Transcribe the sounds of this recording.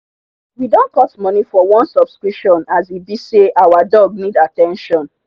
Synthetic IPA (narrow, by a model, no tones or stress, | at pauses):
widõnkɔtmɔnifɔwɔ̃nsɔb̥skɹipʃɔ̃nazibiseʔawadɔɡ̚nidatɛ̃nʃɔ̃n